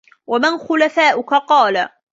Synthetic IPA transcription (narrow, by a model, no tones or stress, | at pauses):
wamɪnxʊlafaːʔʊkaqɑːla